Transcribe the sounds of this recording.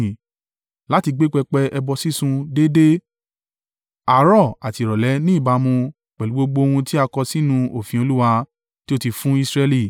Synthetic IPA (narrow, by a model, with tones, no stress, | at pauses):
la˦ti˧ɡ͡be˦k͡pɛ˧k͡pɛ˧ɛ˧bɔ˧si˦sũ˧de˦de˦ | a˨˦ɾɔ˦˨a˨ti˧˨ɾɔ˨lɛ˨˦nĩ˦i˦˨ba˨˧mũ˧ | k͡pɛ˨u˨˦ɡ͡bo˧ɡ͡bo˧o˧hũ˧ti˦a˧kɔ˧si˦nũ˧o˨fĩ˨o˧lu˦wa˧ | ti˦o˦ti˧fũ˦i˦˧sɾɛ˧li˦˨